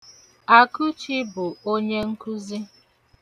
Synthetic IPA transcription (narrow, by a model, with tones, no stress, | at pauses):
a˨ku˦t͡ʃi˦bʊ˨o˦ɲe˦ŋ̩˦ku˦zi˦